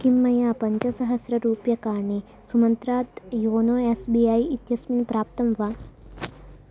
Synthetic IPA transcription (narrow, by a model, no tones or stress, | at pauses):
kimːɐjapɐɲt͡ʃɐsɐɦɐsɾɐɾuːpjɐkaːɳi | sumɐnt̪ɾaːt̪joːnoːesbiaːjit̪jɐsminpɾaːp̚t̪ɐmʋaː